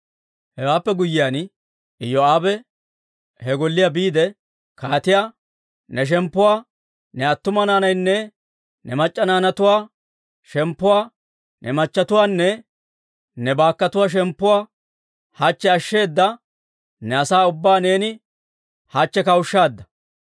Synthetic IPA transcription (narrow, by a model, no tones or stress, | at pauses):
hɛwaːpːɛɡʊjːɪjaːn | ɪjɔaːbɛ | hɛɡɔlːɪjaːbiːd̪ɛ | kaːt̪ɪjaː | nɛʃ̬ɛmpːʊwaː | nɛɐt̪ːʊmɐnaːnɐjnːɛ | nɛmɐt͡ʃʼːɐnaːnɐt̪ʊwaː | ʃɛmpːʊwaː | nʔɛmɐt͡ʃːɐt̪ʊwaːnːɛ | nɛbaːkːɐt̪ʊwaːʃ̬ɛmpːʊwaː | hɐt͡ʃːɛɐʃːe̞ːd̪ːɐ | nɛɐsaːʊbːaːne̞ːnɪ | hɐt͡ʃːɛkɐwʊʃːaːd̪ːɐ